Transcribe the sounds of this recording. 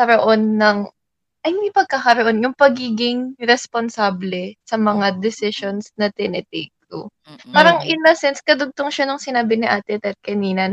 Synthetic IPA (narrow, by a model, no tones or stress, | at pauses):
kɐɾoʔo̞nːɐŋ | ʔɐjnɪpɐɡ̚kakɐɾoʔo̞njʊŋpɐɡiːɡɪŋɾɛsponsaːblɛsɐmɐŋad̪ɛsɪʃonsnɐt̪ɪnʔɪt̪ejkːo̰ | paːɾɐŋʔɪnɐsɛnskɐd̪ʊɡ̚t̪oŋʃɐnʊŋsɪnaːbɪnɪʔaːt̪ɛt̪ɛt̪̚kɐniːnɐ